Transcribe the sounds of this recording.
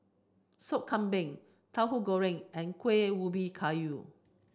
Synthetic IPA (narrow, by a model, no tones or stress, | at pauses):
sop̚kʰãmbɛ̃ŋ | tʰawɦuɡoɹɪ̃ŋɛ̃nkʰwewubikʰaju